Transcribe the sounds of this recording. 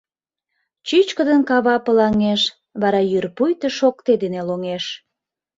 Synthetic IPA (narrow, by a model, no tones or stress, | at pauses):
t͡ɕyt͡ɕkəd̪ənkɑβɑpəlɑŋeʃ | βɑɾɑjyrpujt̪əʃokt̪ed̪eneloŋeʃ